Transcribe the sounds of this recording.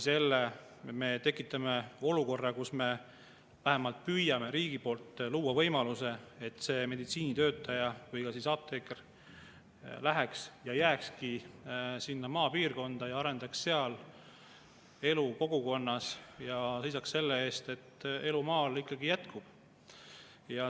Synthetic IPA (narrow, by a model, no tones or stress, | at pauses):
se̞lːe | me̞t̪e̞kːˑit̪ːˑɑme̞o̞luko̞rːɑkusme̞ | væɦe̞mɑlt̪̚pyjɑme̞ɾiːɡ̥ipo̞ːlt̪ːˑluːwɑvɤ̞jmɑluse̞et̪ːˑse̞ːme̞d̪it̪siːnit̪ø̞ːt̪ːˑɑjɑvɤjkɑsiːsɑːb̚t̪eker | læɦeksjɑjæːkskisinːɑmɑːpiːrko̞nd̪̥ɑjɑɑɾe̞nd̪̥ɑksse̞ɑl | e̞luko̞ɡuko̞nːɑsjɑsejsɑksse̞lːe̞e̞ːst̪e̞t̪ːe̞lumɑːlikˑːɑɡijæt̪kub̥ | jɑ